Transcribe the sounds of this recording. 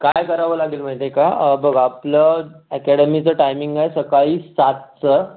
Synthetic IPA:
kajkəɾaʋəlaɡiːlm̤aɦit̪ekabəɡapləɛkɛɽəmit͡səʈajmiŋɡajsəkaɭiːsat̪̚t͡sə

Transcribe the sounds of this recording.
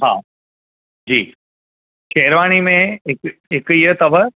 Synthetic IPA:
ɦaː | d͡ʑiː | kʰeːɪɾʋaːɽ̃imẽɦɪkɦɪkiɦət̪ɐbə

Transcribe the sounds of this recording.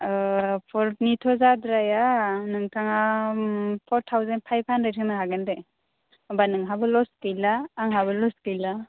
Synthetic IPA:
pʰɔɾnitʰɔzadɾajanɯŋtʰaŋa | pʰɔɾtʰawzen̚pʰajpʰanɾetʰɯnaɦaɡɯnde | banɯŋɦabɯlɔskɯjlaːŋɦabɯlɔskɯjla

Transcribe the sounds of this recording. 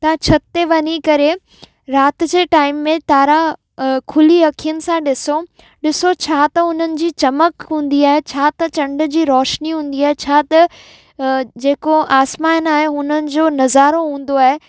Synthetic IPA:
t̪ɐ̃t͡ɕʰɐt̪ːeʋɐɲikɐɾe | ɾaːt̪ɪ̆d͡ʑeːʈaːɪmːẽt̪aːɾã | kʰʊliɐkʰijənɪ̆sãɗɪso | ɗɪsot͡ɕʰaːt̪ɐʊn̤ənɪ̆d͡ʑiːt͡ɕɐməkɦũːn̆d̪iaːɦet͡ɕʰaːt̪ɐt͡ɕɐ̃ɳɖʊ̆d͡ʑiːɾɔːʃniɦũːn̆d̪iaːɦet͡ɕʰaːt̪ɐ | d͡ʑeːkoʔaːsmaːnaːɦeɦʊn̤ənɪ̆d͡ʑoːnɐzaːɾoɦũːn̆d̪oaːɦe

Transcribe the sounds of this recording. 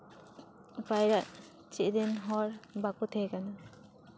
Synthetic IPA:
bajɾaʔ | t͡ʃiʔdɛnɦɔɾbakut̪ʰekana

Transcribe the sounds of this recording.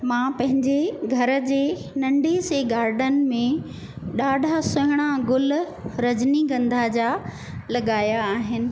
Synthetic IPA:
mãːpɐ̃ɦɪ̃ɲd͡ʑeɡʱɐɾə̆d͡ʑeː | nɐ̃ɳɖeseɡaːɾɖən̆mẽ | ɗaːɖʱasʊɦɪɽ̃aɡʊl | ɾɐd͡ʑniɡɐ̃nd̪ʱad͡ʑaː | lɐɠaːjaːɦɪnɪ̆

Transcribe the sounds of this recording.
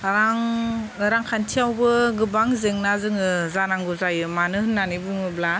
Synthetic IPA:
ɾaŋɾaŋkʰantʰijawbɯɡɯbaŋzeŋnazɯŋɯzanaŋɡuzajɯmanɯhɯnːanibuŋɯbla

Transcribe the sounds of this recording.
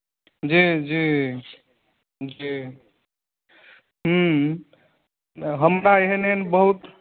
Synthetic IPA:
d͡ʒid͡ʒi | d͡ʒi | ɦə | ɦəmɾaeɦeneenbəɦut̪

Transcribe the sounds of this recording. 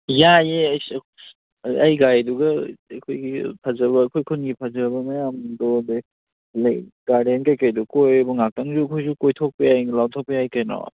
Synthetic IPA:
jajeajsk | ajɡajduɡɐːkʰojɡipʰazɐβɐːkʰojkʰunɡipʰazɐbɐmajamdɔde | laɡaɾenkajkajdɔkojbɔŋak̚taŋzuɐkʰojzukojtʰɔk̚pejajŋlawtʰɔk̚pijajkajnɔ̰

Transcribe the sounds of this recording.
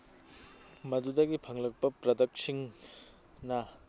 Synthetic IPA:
mɐdudɐɡipʰɐŋlɐk̚pɐpɾɐdɐk̚siŋ | nɐ

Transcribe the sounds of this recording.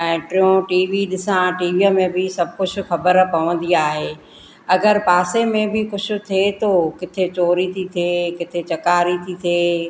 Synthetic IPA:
ɛ̃ːʈɪjõʈiːʋiɗɪsãʈiːʋiəmẽbʱɪsɐbʱkʊd͡ʑʱʊ̆xɐbəɾpɐʋə̃nd̪iaːɦeː | ɐɡəɾpaːsemẽbʱɪkʊd͡ʑʱʊ̆t̪ʰet̪oːkɪt̪ʰet͡ɕoːɾit̪ʰit̪ʰeːkɪt̪ʰet͡ɕɐkaːɾit̪ʰit̪ʰeː

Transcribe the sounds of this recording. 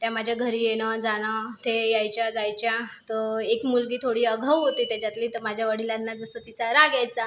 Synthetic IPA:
t̪jamad͡ʑʱjaɡʱəɾiːjeɽ̃əd͡zaɽ̃ət̪ʰejajt͡ɕjad͡zajt͡ɕjat̪əekmulɡiːt̪ʰoɽiːəɡʱəwɦot̪iːt̪jat͡ɕjat̪liːt̪əɾmad͡ʑʱjaʋəɽilanːad͡zəsəːt̪it͡saɾaɡjajt͡sa

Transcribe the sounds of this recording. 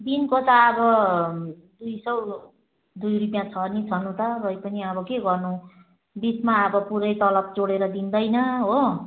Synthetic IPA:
d̪inkot̪ʌːbʌ | d̪ujsʌw | d̪ujrupjãt͡sʰʌnit͡sʰʌnũt̪ʌrʌjpʌniʌbʌkeɡʌrnu | bismaʌbʌpuɾʌjt̪ʌlʌp̚d͡zoɽeɾʌd̪ind̪ʌjnʌɦo

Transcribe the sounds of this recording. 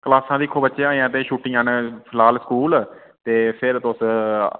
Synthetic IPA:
kəlaːsãːd̪iːkʰoːbətːʃeãːĩãːt̪eːʃuːʈːĩãːnpʰɪlaːlskuːl | t̪eːpʰɪɾt̪ʊs

